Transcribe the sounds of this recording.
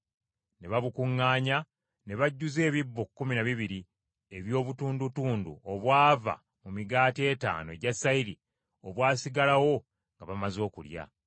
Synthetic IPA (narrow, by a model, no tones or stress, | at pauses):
ne̞βaβukuŋːaːɲa | ne̞βaɟːuze̞ːβibːo̞kːuminaβiβiɾi | e̞βjo̞ːβutuːndutuːndṵoβwaːva̰ | mumiɡaːtie̞ta̰ːno̞eɟasːaiɾi | oβwaːsiɡalawo̞ | ŋɡaβamazo̞ːkulja̰